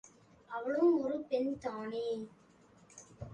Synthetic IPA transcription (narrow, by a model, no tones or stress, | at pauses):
ɐʋɐɭɯmɔɾɯpɛnt̪aːne